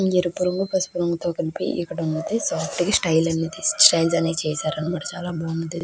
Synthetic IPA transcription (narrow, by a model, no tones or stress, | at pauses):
eɾupuɾuŋɡupɐsu̥puɾuŋɡɐt̪oːkɐlipḭʔːkːɐɽɐunːɐd̪isaːflikisʈɐjlɐnːid̪isʈɐjlsɐneːt͡ʃɛːsaːɾɐnimaːʈɐt͡ʃaːlaːbaːunund̪i